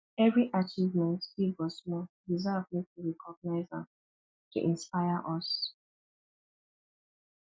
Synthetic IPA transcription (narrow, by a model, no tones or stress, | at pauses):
ɛvɹiʔat͡ʃivmɛ̃ntivɔsmɔdizavmetuɹɛkʰɔɡ̚naɪzã̰ | tṵʔĩnspajaʔɔs